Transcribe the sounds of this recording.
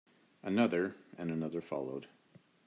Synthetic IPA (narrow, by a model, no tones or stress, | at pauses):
ʔɨnʌðə˞ɨ̃nɨnʌðə˞fɑ̰lˠoʊd̥